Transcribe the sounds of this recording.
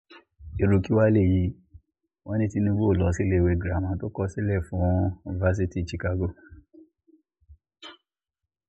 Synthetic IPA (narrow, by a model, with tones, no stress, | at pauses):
e˨ɾo˨˧ki˦wa˦le˦˨ji˧˦ | wɔ̃˦nĩ˦ti˧nĩ˧bo˦o˦˨lɔ˨˦si˦le˦˨we˧˨ɡɾmɔ̃˧˦to˦kɔ˦si˦lɛ˦˨fũ˨˦u˨ni˨va˧˦s̬i˧ti˦˨t͡ʃi˧ka˧ɡo˦˨